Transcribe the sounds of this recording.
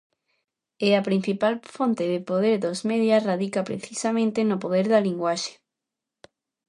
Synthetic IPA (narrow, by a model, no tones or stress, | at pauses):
eapɾin̟θipalfont̪ɪðɪpoðeɾðozmeðjasraðikapɾḛθisamẽnt̪enopoðeɾðɐliŋɡwaʃe̥